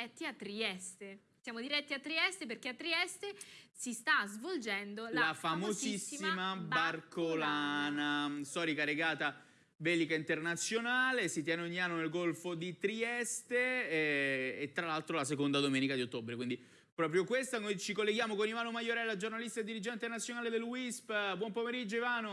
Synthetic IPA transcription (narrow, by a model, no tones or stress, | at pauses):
ɛt̪ːiat̪ːɾiɛst̪e | sjaːmod̪iɾɛt̪ːiat̪ːɾiɛst̪ep̬erkeat̪ːɾiɛst̪esist̪azvold͡ʒɛnd̪olllafamoszisːimabarkolanast̪ɔːɾikaɾeɡaːt̪a | vɛːlikaint̪ernat̪sːjonaːlesit̪jɛːneoɲːianːonelɡolfod̪it̪ɾiɛst̪e | et̪ːɾalalt̪ɾolas̬ekond̪ad̪omɛːnikad̪iot̪ːobɾekwind̪i | pɾɔːpɾjokwest̪anojt͡ʃikolːeɡjaːmokonivaːnomajoɾɛlːad͡ʒornalist̪aed̪ːiɾid͡ʒɛnt̪enat̪sːjonaːled̪elwispbwɔmpomeɾid͡ʒːoivaːno